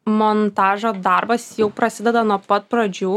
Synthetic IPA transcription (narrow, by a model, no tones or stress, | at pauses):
mont̪ɑːʒoːd̪ɐɾbɐsjɛʊpɾɐsʲɪd̪ʲɛd̪ɐnuɔpɐt̪̚pɾɐd͡ʒʲuː